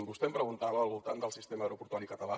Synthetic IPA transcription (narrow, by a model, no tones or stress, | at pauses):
mbust̪ɛmpɾəɣunt̪aβəːlˠβulˠt̪and̪əlˠsist̪eməɾupuɾt̪wɔɾikət̪əla